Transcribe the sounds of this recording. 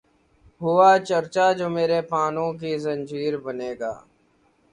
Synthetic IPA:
ɦʊaːt͡ʃəɾt͡ʃaːd͡ʒoːmeːɾeːpaːnõːk̬iːzənd͡ʒiːɾbəneːɡa̰ː

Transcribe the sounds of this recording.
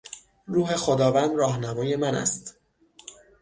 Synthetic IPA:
ɾuːɦe̞xo̞d̪ɒːvænd̪ɾɒːɦnæmɒːje̞mænæ̰st̪

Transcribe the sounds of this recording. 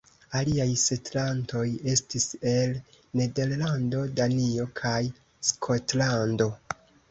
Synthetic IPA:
aliajse̞tlanto̞je̞stise̞l | ne̞de̞ɾlando̞danio̞kʰaj | skʰo̞tlando̞

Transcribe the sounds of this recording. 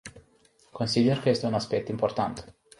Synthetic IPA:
konsid̪erkəest̪eunaspɛk̚t̪import̪ant̪

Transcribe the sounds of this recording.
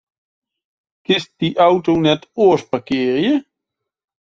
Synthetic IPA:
kɪst̚d̥iʔawtownɛtoːspakeːɾjə

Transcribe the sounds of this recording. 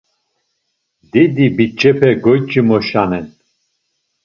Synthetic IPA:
d̪id̪ibit͡ʃʼːɛpʰɛɡɔjt͡ʃʼimɔʃanɛn

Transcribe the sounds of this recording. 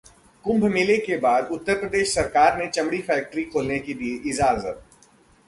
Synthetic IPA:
kʊ̃mbʱmɪlekebaːd̪ʊt̪ːəɾpɾəd̪eːʃsɐɾkaːɾnet͡ʃɐmɽifɛːk̚ʈəɾikʰoːlnekid̪ieʔɪd͡ʒaːzə̰t̪̚

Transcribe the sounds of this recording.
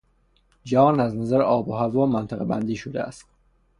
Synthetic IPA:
d͡ʒæɒːnæznæzæɾeɒːbohævɒːmænt̪ʰæɣebæ̰nd̪iːʃod̪ḛæ̰st̪

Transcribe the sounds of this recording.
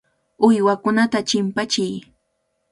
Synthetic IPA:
ʊjwakʊnat̪at͡ʃɪmpat͡ʃɪj

